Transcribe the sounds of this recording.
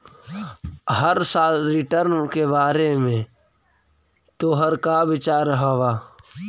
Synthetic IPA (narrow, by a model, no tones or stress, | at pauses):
ɦəɾsaːlɾɪʈəɾnkebaːɾemẽ | t̪oɦəɾkabɪt͡ʃaːɾɦɐwaː